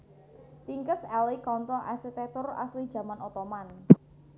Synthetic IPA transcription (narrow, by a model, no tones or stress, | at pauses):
t̪iŋkəsɛlikɔnt̪ɔʔasit̪ɛt̪ʊra̰slid̥ʒ̥ä̤manɔt̪ɔman